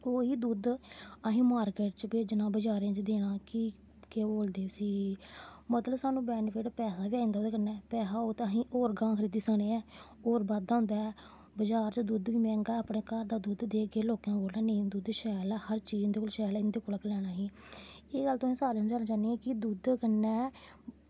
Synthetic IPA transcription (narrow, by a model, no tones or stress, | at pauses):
koːɦiːd̪uːd̪əɦĩːmaːɾkeːʈt͡ʃbeːd͡ʒnãːbəd͡ʒaːɾẽãːt͡ʃd̪eːɽ̃aːki | keːboːld̪eːsiː | mət̪ləbsaːnũːbɛːnpʰɪʈpɛːsaːbiːaːĩnd̪aoːd̪eːkəɾnɛːpɛːsaːoːt̪əɦĩːʔoːɾɡãːkʰɾiːd̪iːsaːneːɛː | oːɾbaːd̪aːɦʊ̃nd̪aːɛ | bəd͡ʒaːɾt͡ʃd̪uːd̪ʋiːmɛ̃ːŋɡaaːpɽeːkaɾd̪aːd̪uːd̪d̪eːkeːloːkjãːboːlɛːneĩd̪uːd̪ʃɛːlɛːhəɾt͡ʃiːɪnd̪eːkoːlʃɛːlːɪnd̪eːkoləklɛːɽ̃aːɦĩːeːɡəlt̪õːẽːsaːɾenːd͡ʒaːnãːt͡ʃaːneɛ̃ːkɪd̪uːd̪kənɛː